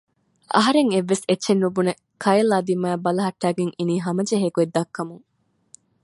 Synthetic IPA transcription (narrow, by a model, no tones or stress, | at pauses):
ɐ̰ɦɐɾeŋeʋːesetːʃenːubune | kʰɐelaːd̪imæːbɐlɐɦɐʈːæːɡeŋiniːɦɐmɐd͡ʒeɦeɡued̪ːɐkːɐmuŋ